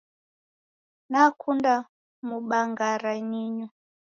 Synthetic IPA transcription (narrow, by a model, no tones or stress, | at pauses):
nakʰunda | muɓaŋɡaɾaɲiɲu